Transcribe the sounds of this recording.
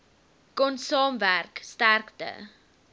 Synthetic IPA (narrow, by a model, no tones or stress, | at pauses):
kɔnsɑːmværkstærktə̰